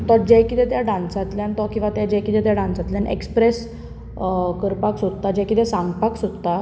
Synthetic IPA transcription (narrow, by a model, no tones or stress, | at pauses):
t̪ɔd͡ʑɛjkit̪ɛt̪jaɖãnsat̪ljãnt̪ɔkĩw̃ʋat̪jad͡ʑɛjkit̪ɛt̪jaɖãnsat̪ljanʔḛkspɾes | kəɾpaksod̪t̪ad͡ʑɛ̃kit̪ɛsãŋɡpaksod̪t̪a